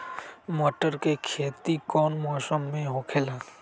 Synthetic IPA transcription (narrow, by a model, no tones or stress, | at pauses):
mɔːʈəɾkekʰeːt̪ikɔːnmɔːsəmːẽɦoːkʰelaː